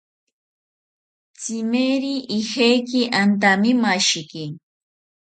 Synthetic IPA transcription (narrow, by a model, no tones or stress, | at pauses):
t͡simeɾiʔihejkiʔant̪̬amimaʃiki